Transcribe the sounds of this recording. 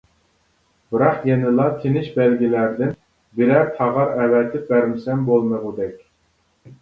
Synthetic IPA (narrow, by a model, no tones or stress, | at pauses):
b̥ɨɾɑqjɛnɪlˠɑt̪ʰenɪʃbælɡʲilæɾd̪ɪn | bɪlæt̪ʰɑʁɑɾɛvɛt̪ʰːɪp̚bæɾmɪsɛmbolˠmɨʁʊd̪ɛkʲ